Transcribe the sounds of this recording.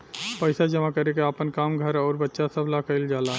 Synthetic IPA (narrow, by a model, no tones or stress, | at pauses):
pəɪsad͡ʒəmakəɾekeapənkamɡʱəɾɔːɾbətːʃasəblakəɪld͡ʒaːlaɦ